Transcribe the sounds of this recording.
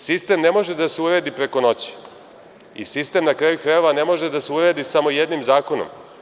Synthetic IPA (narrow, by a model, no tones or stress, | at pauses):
sist̪e̞mnemo̞ʒed̪aseuɾeːd̪ipɾe̞ko̞no̞t͡ɕi̥ | ḭsist̪e̞mnakɾajukɾajoʋanemo̞ʒed̪aseuɾeːd̪isamo̞jed̪nimzaːko̞no̰m